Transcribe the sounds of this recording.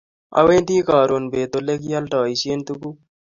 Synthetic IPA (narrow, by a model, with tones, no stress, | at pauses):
ɐ̰˨wẽːnd̪iː˦kaː˨ɾo˨nbeː˨t̪o˨le˦kjɐlʈɑː˨ise˦nt̪uku˦